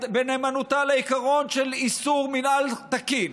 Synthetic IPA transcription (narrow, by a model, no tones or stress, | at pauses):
beneːmanut̪aleikaʁo̞nʃelisuʁminalt̪akin